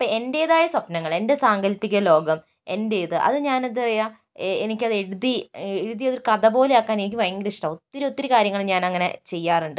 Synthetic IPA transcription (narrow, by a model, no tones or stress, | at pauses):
ɐpːɐe̞nde̞ːðaːjɐsɐpnɐŋːɐɭe̞nde̞saːŋɡɐlpːikʲːɐlo̞ːɡɐm | e̞nde̞ːðɨʔɐ̰ðɨɲaːnɐðirɐja | enikʲːɐðe̞ɽuðieɻuðijɐðoɾukɐðɐbo̞ːleaːkːaːne̞nik̬ʲːɨʋɐɻɐŋɡɐɾiʂi̥ʈɐmot̪ːiɾo̞t̪ːiɾɨkaːɾjɐŋːɐɭɲaːnɐŋːɐnḛt͡ɕe̞jːaːruɳɖɨ